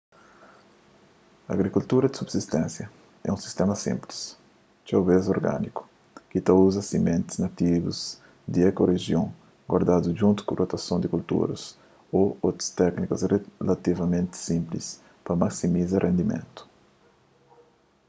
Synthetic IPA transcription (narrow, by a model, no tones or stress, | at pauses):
ɐa̰ɡɾikult̪uɾɐd̪isubsist̪ɛ̃nsjɐ | ɛ̰ũsi̥st̪emɐsḭ̃mpli̥s | t͡ʃ̪awbezoɾɡa̰niku̥ | kit̪auzɐsimẽnt̪ɪ̥znat̪ivṵz | d̪iɛkoreʒjõŋ | ɡwaɾd̪ad̪uʒũnt̪u̥kũrʔot̪ɐsõnd̪ikult̪ṵɾɐ̰s | oot̪ɾɐ̥st̪ɛknikɐsrelat̪ivɐmẽnt̪ɪ̥sĩmplis | pɐmaksimizɐrʔẽnd̪imḛ̃nt̪u̥